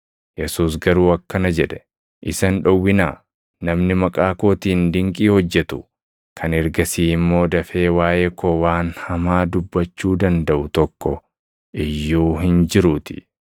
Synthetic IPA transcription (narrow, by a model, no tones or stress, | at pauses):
jɛsuːs̬ɡɐɾuːɐkːɐnɐd͡ʒɛᶑɛ̥ | ʔɪsɐnᶑɔwːɪna̰ː | nɐmnɪmɐkʼaːkoːt̪iːnd̪ɪŋkʼiːhɔd͡ʒːɛt̪ʊ | kʰɐnɛɾɡɐsiːɪmːo̞ːd̪ɐfe̞ːwaːʔeːkowaːnhɐmaːd̪ʊbːɐt͡ʃːuːd̪ɐnd̪ɐʔʊt̪ɔkːɔ | ʔɪjːuːɦɪnd͡ʒɪɾʊt̪ɪ̥̰